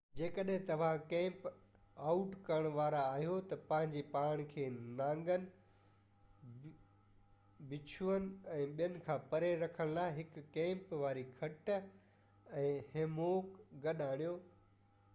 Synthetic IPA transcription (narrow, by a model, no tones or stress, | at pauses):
d͡ʑeːkəɗɦɪ̃t̪ɐʋ̤ãkɛ̃ːmp | aːʊʈkɐɾəɽ̃ʋaːɾaːɦijot̪ɐpɐ̃ɦɪ̃ɲd͡ʑepaːɽ̃̆kʰeːnãːŋɡənɪ̆ | bɪt͡ɕʰuənɪ̆ɛ̃ːɓijənɪ̆kʰãːpɐɾeɾɐkʰəɽ̃laːɪɦɪkːɛ̃ːmpʋaːɾikʰɐʈ | ɛ̃ːheːmoːkɡɐɗaːɽ̃ijoː